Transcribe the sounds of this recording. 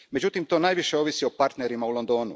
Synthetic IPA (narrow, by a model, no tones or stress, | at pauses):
me̞d͡ʑut̪imt̪o̞ːnaːjʋiʃe̞o̞ʋisio̞paɾt̪ne̞ɾimaulo̞nd̪o̞ːnṵ